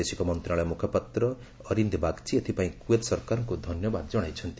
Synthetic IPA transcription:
esikomʌnt̪raɭajmukʰʌpat̪rʌ | ʌɾind̪bʱakt͡sʰiet̪ʰipaĩkuet̪sʌɾkaɾŋkod̪ʱʌnjʌbad̪̚d͡zʌɽ̃ajt͡sʰʌnt̪i

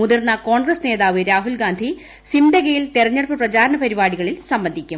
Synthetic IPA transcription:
uðirnːɐko̞ːɳɡrɐsne̞ːðaːʋɨɾaːɦulɡaːnd̪ʱi | simdɐɣɐjilt̪erɐɲːɐɽɐpːɨprɐt͡ɕaːɾɐɳɐpɐɾibaːɽiɣɐɭilsɐmbɐnd̪ʱikʲːum

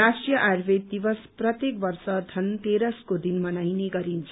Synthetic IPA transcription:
asʈijʌʔarbʱed̪ibʌsprʌt̪jek̚bʌrsʌd̪ʱʌnt̪eɾʌskod̪inmʌnajneɡʌɾint͡sʰ

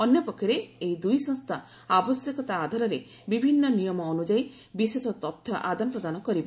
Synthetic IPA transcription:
ɔnjɔpɔkʰːɔɾeejd̪ujsɔ̃ŋst̪ʰa | abɔsjɔkɔt̪aːd̪ʱɔɾɔɾe | bibʱinːɔnijɔmɔːnud͡ʒaj | biset̪ɔt̪ɔt̪ʰːɔʔad̪anɔpɾɔd̪anɔkɔɾibɔ

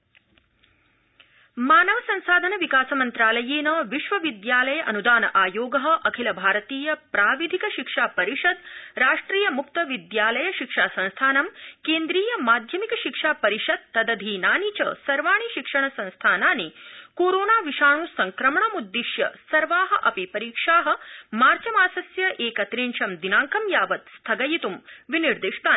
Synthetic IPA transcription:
maːnɐʋɐsɐ̃ñsaːd̪ʱɐnɐʋikaːsɐmɐnt̪ɾaːlɐjeːnɐʋiʃʋɐʋid̪jaːlɐjɐʔɐnud̪aːnɐʔaːjoːɡɐɦɐ̆ʔɐkʰilɐbʱaːɾɐt̪iːjɐpɾaːʋid̪ʱikɐʃikʂaːpɐɾiʂɐd̪ɾaːʂʈɾiːjɐmuk̚t̪ɐʋid̪jaːlɐjɐʃikʂaːsɐ̃nst̪ʰaːnɐmkeːnd̪ɾiːjɐmaːd̪ʱjɐmikɐʃikʂaːpɐɾiʂɐd̪̚t̪ːɐd̪ɐd̪ʱiːnaːnit͡ɕɐ̰sɐɾʋaːɳ̃iʃikʂɐɳ̃ɐsɐ̃nst̪ʰaːnaːnikoːɾoːnaːʋiʃaːɳ̃uːsɐŋkɾɐmɳɐmud̪ːiʃjɐ̰sɐɾʋaːɦɐʔɐpipɐɾiːkʂaːɦɐ̆maːɾt͡ʃɐmaːsɐsjɐʔeːkɐt̪ɾiːɳʃɐmd̪inaːŋkɐmjaːʋɐt̪st̪ʰɐɡɐjit̪umʋiniɾd̪iʂt̪aː

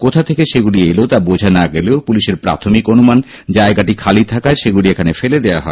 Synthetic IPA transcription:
kot̪ʰat̪ʰekeʃeɡuɽieleot̪abod͡ʑʱanaɡeleopuliʃeɾpɾa̰t̪ʰomikonuman | d͡ʑaeɡaʈikʰalit̪ʰakaeʃeɡuɽiekʰanefeled̪ea̰ɦɔe

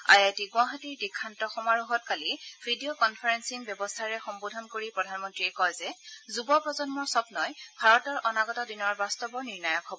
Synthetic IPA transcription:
a̰jatiɡw̃aɦatiɹdikʰːantɔxɔmaɹuɦɔt̚kalibʱidiokɔnpʰaɹɛnsinbjɔbɔstʰaɹɛxɔmbodʱɔnkoɹipɹɔdʱanmɔntɹiɛkɔjzɛzubɔpɹɔzɔnmɔɹsɔbnɔjbʱaɹɔtɔɹʔɔnaɡɔtadinɔɹbastɔbɔniɹnajɔkɦɔbɔ

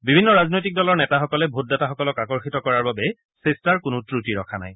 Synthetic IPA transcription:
bibʱinːɔɹaznojtik̚dɔlɔɹnɛtaxɔkɔlɛbʱot̚dataxɔkɔlɔkakɔɹxitɔkɔɹaɹbabɛ | sestaɹkʊnʊtɹutiɹɔkʰana̰j

